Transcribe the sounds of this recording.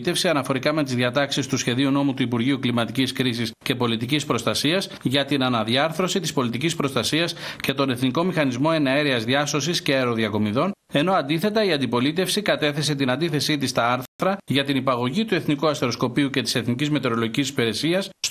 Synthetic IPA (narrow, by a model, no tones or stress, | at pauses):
t̪e̞fsiɐnɐfo̞ɾikɐme̞t̪izðiɐt̪ɐksist̪usçe̞ðiuno̞mut̪uipuɾʝiuklimɐt̪iciskɾisisce̞po̞lit̪icispɾo̞st̪ɐsiɐs | ʝɐt̪inɐnɐðiɐɾθɾo̞sit̪ispo̞lit̪icispɾo̞st̪ɐsiɐsce̞t̪o̞ne̞θniko̞mixɐnizmo̞e̞nɐeɾiɐzðiɐso̞sisceɐeɾo̞ðɐko̞miðo̞n | e̞no̞ɐnd̪iθe̞t̪ɐiɐnd̪ipo̞lit̪e̞fsikɐt̪e̞θe̞se̞t̪inɐnd̪iθe̞sit̪ist̪ɐɐɾɾɐʝɐt̪inipɐɣo̞ʝit̪ue̞θnikuɐst̪e̞ɾo̞sko̞piuce̞t̪i̥se̞θnicizme̞t̪e̞ɾo̞lo̞ʝicisi̥peɾe̞siɐs